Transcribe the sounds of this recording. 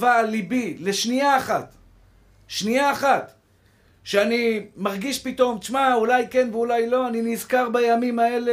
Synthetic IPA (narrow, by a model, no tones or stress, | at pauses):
valibileʃniaːχat̪ | ʃniaːχat̪ | ʃeanimaʁɡiʃpit̪o̞mt̪iʃmaulajkenveulajlo̞aninizkaʁbajamimaele